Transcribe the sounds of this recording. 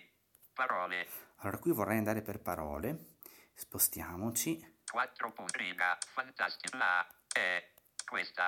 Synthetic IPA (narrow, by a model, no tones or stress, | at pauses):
paɾɔːlealːoːɾakwivorːɛjand̪aːɾeperpaɾɔ̰ːle | spost̪jaːmot͡ʃikwat̪ːɾopunɾiɡafant̪ast̪ilaɛ | kwest̪a